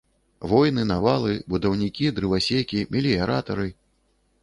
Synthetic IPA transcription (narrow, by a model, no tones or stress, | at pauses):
vɔjn̪ɨnavalˠɨbud̪ɐwnʲikʲid̪ɾɨvasʲekʲimʲilʲiaɾat̪ɐɾɨ